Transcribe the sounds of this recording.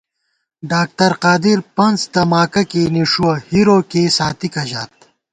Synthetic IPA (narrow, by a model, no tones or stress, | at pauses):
ɖaːk̚t̪ɐɾqaːd̪iɾpɐnzt̪ɐmaːkɐkeniʂuwɐhiɾoːkesaːt̪ikɐʑaːt̪̚